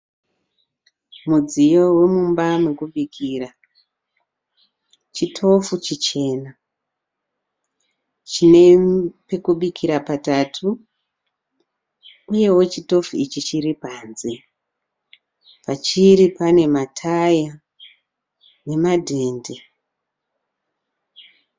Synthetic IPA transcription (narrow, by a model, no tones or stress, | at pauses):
mud͡zijo̞we̞mumbamwekuɓikʰira | t͡ʃitʰo̞fut͡ʃit͡ʃe̞ːna | t͡ʃine̞pe̞kuɓikʰiɾapatatʰu | uje̞wo̞t͡ʃito̞fuit͡ʃit͡ʃiɾipaːnze | pat͡ʃiɾipane̞matʰaja | ne̞madʱende